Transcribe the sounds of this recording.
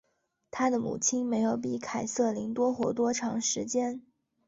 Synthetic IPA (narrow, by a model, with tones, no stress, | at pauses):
t̪ʰa˥d̪ə˨mṵ˨˩t͡ɕʰi˥nme˧˥ɪjo˨˧˩ʊpi˧˩kʰa˨˩ɪsɤ˥˩li˧˥ŋt̪wɔ˥xwɔ̰˧˥t̪̬wɔ˥ʈ͡ʂʰɑ˧˥ŋʂɻ̩˧˥t͡ɕjɛ˥n